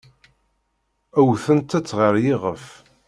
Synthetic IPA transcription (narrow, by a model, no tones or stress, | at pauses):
æwθənt̪æt͡sːʁəɾjɪʁəf